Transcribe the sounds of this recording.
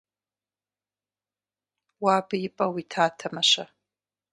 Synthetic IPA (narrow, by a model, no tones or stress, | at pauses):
wabaipʼɐwitʰaːtʰamaʃʷa